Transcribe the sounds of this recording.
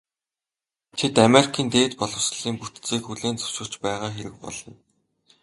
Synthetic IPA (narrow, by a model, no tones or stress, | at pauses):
t̪ʰet̪ameɾikʰiːnt̪eːt̪pɔɮɞ̆ws̆ɮiːŋput̪t͡siːkxuɮeːnt͡sḁw̥ʃɪ̆ɮt͡ɕpæːʁaːxeɾɘ̆k̚pɔ̰ɮɞ̆n